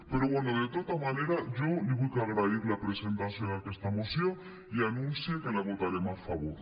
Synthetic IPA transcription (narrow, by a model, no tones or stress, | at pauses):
pe̞ɾo̞βwe̞noðe̞t̪ot̪amane̞ɾaʝo̞liβujkeaɣɾaiɾlapɾe̞se̞nt̪aθjonakest̪amo̞sjo̞ŋ | ianũnθjeke̞laβo̞t̪aɾe̞masfaβo̞ɾ